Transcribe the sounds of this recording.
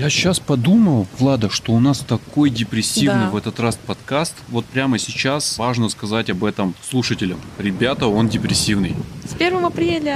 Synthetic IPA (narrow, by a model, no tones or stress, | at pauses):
jaɕaspɐd̪uməlˠvlˠad̪əʂt̪o̞ʊnast̪ɐko̞jdʲɪpɾʲɪsʲːivnɨvɛt̪ət̪raspɐt̪kast̪vo̞t̪̚pɾʲaməsʲɪt͡ɕasvaʐnəskɐzatʲɐbɛt̪əmslˠuʂətʲɪlʲəmɾʲɪbʲat̪əo̞ndʲɪpɾʲɪsʲːivnɨjspʲervəmɐpɾʲelʲɪ